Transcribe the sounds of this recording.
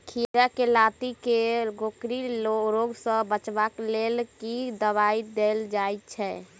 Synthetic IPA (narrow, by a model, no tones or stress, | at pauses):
kʰiɾakelat̪ikeɡʱokɾiloɾoɡsə̃bət͡ʃbaklelkid̪əβaid̪eld͡ʒajt̪t͡ʃʰɛ